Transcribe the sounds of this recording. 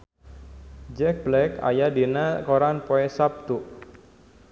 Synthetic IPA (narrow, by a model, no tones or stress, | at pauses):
d͡ʒɛk̚blɛka̰jadinakoɾanpoɛsap̚t̪uʔ